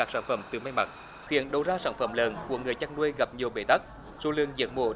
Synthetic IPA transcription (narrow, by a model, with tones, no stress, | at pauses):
aː˦˥k̚saː˧˩nfə˧˩mt̪ɨ˨˩ma˧jma˨˩t̚ | xḭ˧˩˨ənɗə˨˩wzaː˧saː˧˩nfə˧˩mləː˨˩nku˧˩əŋɨ˨˩əjt͡ɕaː˧ŋnu˧əjɣa˨˩p̚ɲi˨˩əwɓe˧˩˦t̪a˦˥k̚ | su˧˦lɨ˨əŋzḭ˨˥ək̚mo̰˧˦